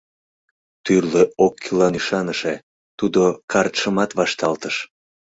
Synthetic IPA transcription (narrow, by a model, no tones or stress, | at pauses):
t̪yrleokʰːilɑnyʃɑnəʃe | t̪ud̪okɑrt̪ʃəmɑt̪βɑʃt̪ɑlt̪əʃ